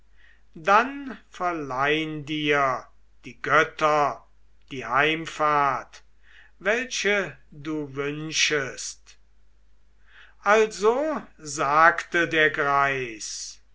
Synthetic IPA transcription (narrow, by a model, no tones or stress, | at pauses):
danfɛɐlaɪəndiːɐ | d̥iːɡœtɐ | d̥iːhaɪmfaːɐt | vɛlʃəduːvʏnʃəst | ʔalzozaːktədeːɐɡʁaɪs